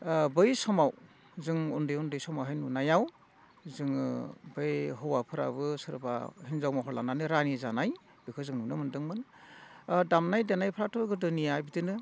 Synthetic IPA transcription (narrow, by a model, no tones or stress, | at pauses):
bɯjsɔmaw | zɯŋundɯjundɯjsɔmawɦajnunajaw | zɯŋ̰bɯjɦɔwapʰɯɾa̰bɯsɯɾba̰hinzawmaɦɔɾlananɯɾanizanaj | bɯkʰɯzɯŋnunɯmɯndɯŋmɯn | damnajdenajpʰɯɾatʰɯɡɯdɯnijajbidɯnɯ